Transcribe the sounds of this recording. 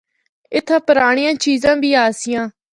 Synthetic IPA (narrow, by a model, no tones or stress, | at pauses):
ɪt̪ʰːãːpəɾaːɳ̃ɪjãːt͡ʃiːzãːbiːaːsɪjãː